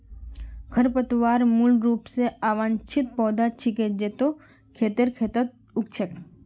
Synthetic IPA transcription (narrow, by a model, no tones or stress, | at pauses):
kʰəɾpət̪ʋaːɾmulɖɾuːpseaːʋãːnt͡ʃʰɪt̪̚pɔːd̪at͡ʃʰɪked͡ʒet̪o | kʰeːt̪iɾkʰeːt̪ət̪̚ | ʊkt͡ʃʰət̪